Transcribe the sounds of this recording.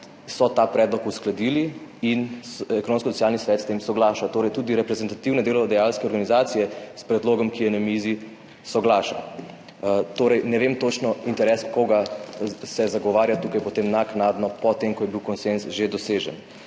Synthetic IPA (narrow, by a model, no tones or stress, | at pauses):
sɔt̪apɾɛd̪lɔkusklad̪iliinɛkonõːnskɔsɔ̥tt͡ssjaːlnisʋɛːt̪st̪emsɔɡlaːʃat̪oːɾɛjt̪uːd̪iɾɛpɾɛzɛnt̪at̪iwnɛd̪eːlɔd̪ɛjalskɛɔɾɡanizaːt̪sijɛspɾɛd̪loːɡɔmkijɛnɛmizi | sɔɡlaːʃa̰ | t̪oːɾɛjnɛʋemt̪ot͡ʃnɔint̪ɛɾɛskoɡasɛzaɡɔʋaːɾjat̪uːkajpɔt̪emnaknaːd̪nɔpɔt̪emkɔjɛbiwkɔnsensʒed̪ɔseːʒɛ̰n